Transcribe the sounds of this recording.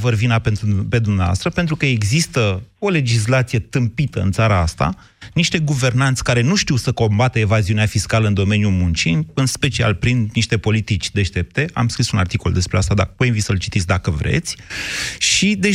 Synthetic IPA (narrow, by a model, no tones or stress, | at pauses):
vərvinapeupe̞d̪umneava̰st̪ɾəpe̞nt̪ɾukəe̞ɡzist̪əo̞le̞d͡ʒis̬lat̪sije̞t̪ɨmpit̪əɨ̰nt̪saɾaast̪a̰ | niʃt̪e̞ɡuve̞rnant̪sʲkaɾe̞nuʃt̪iwsəko̞mbat̪əevaziuneafiskaləɨnd̪o̞me̞njumunt͡ʃiɨnspe̞t͡ʃia̰lpɾinniʃt̪e̞po̞lit̪it͡ʃʲd̪e̞ʃt̪e̞p̚t̪e̞a̰mskɾisuna̰rt̪iko̞ld̪e̞spɾeast̪ad̪a̰poeinvit̪səɨlt͡ʃit̪it̪sʲd̪akəvɾḛt̪sʲʃid̪e̞